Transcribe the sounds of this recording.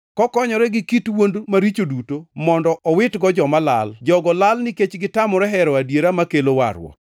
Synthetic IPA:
kɔkɔɲɔɾɛɡɪkitwondmaɾit͡ʃodutomɔndɔʔɔwɪtɡɔd͡ʒɔmala̰ld͡ʒɔɡɔlalnɪket͡ʃɡɪtamɔɾɛɦɛɾɔadjeɾamakelowa̰ɾwɔ̰

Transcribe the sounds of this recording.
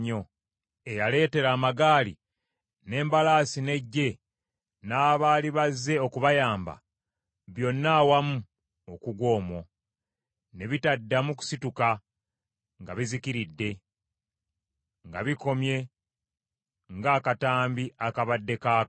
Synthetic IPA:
o̞ | e̞jale̞ːte̞ɾaːmaɡaːlḭ | ne̞ːmbalaːsine̞ɟːe̞ | naːβaːliβazːe̞o̞kuβajaːmba̰ | βjo̞nːaːwamu | okuɡwo̞ːmo̞ | neβitadːamuku̥situka | ŋɡa̰βizikiɾidːe̞ | ŋɡaβiko̞mje̞ | ŋɡaːkataːmbiakaβadːe̞kaː

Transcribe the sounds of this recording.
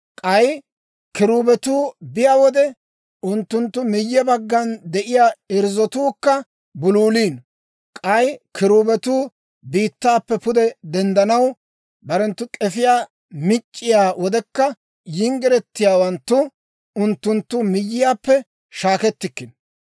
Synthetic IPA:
kʼɐj | kɪɾuːbɛt̪uːbɪjaːwɔd̪ɛ | ʊnt̪ːʊnt̪ːʊmɪjːɛbɐɡːɐnd̪ɛʔɪjaːɪɾzɔt̪uːkːɐ | bʊluːliːn | kʼɐjkʰɪɾuːbɛt̪uː | biːt̪ːaːpːɛpʊd̪ɛd̪ɛnd̪ɐnɐw | bɐɾɛnt̪ːʊkʼɛfɪjaː | mɪt͡ʃʼːɪjaːwɔd̪ɛkːɐ | jɪŋɡɪɾɛt̪ːɪjaːwɐnt̪ːʊ | ʊnt̪ːʊnt̪ːʊmɪjːɪjaːpːɛ | ʃaːkɛt̪ːɪkːɪn

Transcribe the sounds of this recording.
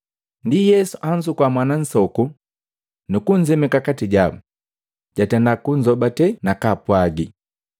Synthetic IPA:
ndijɛsuʔand͡ʒukwamwanan̩sɔku | nukuɲd͡ʒɛmɛkakatiɟabu | ɟ̥atɛndakuɲ̩d͡ʒɔbatɛnakapwaɡi

